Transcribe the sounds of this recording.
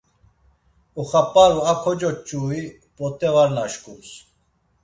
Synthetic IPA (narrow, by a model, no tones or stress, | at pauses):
uχapaɾuakʰɔd͡ʒɔt͡ʃʼːuːi | pʼɔt̪ʼɛvaɾnaʃkʼus